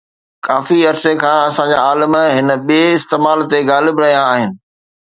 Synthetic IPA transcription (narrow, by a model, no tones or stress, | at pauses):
kaːfiɐɾsekʰãːɐsãd͡ʑa̰aːləmɦɪnə̆ɓieɪst̪eːmaːlt̪eɡaːlɪbɾɐɦijãaːɦɪnɪ̆